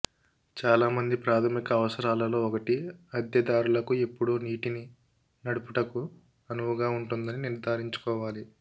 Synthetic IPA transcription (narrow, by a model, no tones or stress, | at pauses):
t͡ʃaːlaːmɐnd̪ipɾaːt̪ʰɐmikɐːʋɐsɐɾaːlɐlo̞ːɔkɐʈiɐd̪jɐd̪aːɾulɐkue̞pːuɽoːniːʈini | nɐɽupuʈɐku | ɐnuʋuɡaːuɳʈund̪ɐniniɾd̪ʱaːɾiɲt͡ʃu̥kɔːʋaːli